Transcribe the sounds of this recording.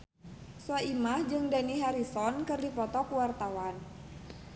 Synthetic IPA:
saimahd͡ʒɨŋdaniɦaɾisɔnkɨrdipɔt̪ɔkuwart̪awan

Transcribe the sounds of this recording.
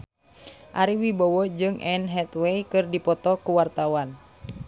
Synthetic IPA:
ʔaɾiwibɔwɔd͡ʒɨŋʔɛnɦɛt̪wɛjkɨrdipɔt̪ɔkuwart̪awan

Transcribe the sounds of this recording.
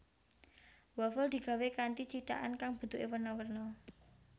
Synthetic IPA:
wafɔld̪̥i̤ɡ̥a̤wekant̪it͡ʃit̪a̰ʔankaŋb̥ə̤d̪uʔewərnawərnɔ

